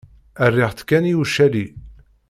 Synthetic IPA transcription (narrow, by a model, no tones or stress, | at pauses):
ərːɪʁθkːæniuʃːæli